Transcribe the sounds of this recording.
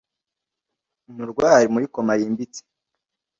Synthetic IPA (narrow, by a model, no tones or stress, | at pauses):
muɾɡwaːɾimuɾikomajiːmbit͡se̥